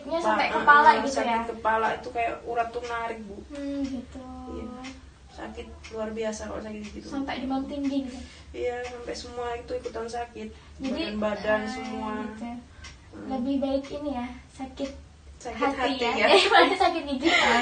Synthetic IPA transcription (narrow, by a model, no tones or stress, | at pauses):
t̪̚ɲasapɛʔkəpalaɡitsjaɪkəpalait̪ukajaʔuɾat̪ːuŋaɾibum̩ɡit̪ua | sa̰kɪt̪̚luarbiasaka̰la̰sakɪt̪̚ɡiɡit̪usampɛʔdimaamt̪iŋɡiɡit̪u | ijasampɛʔsəmuait̪uikut̪ansakɪt̪̚ | d͡ʒadianbadansəmuaɡit̪u | ləbɪhbaɪkinijasakɪt̪̚ | sakhat̪haitaamaadasakɪt̪̚ɡiɡit̪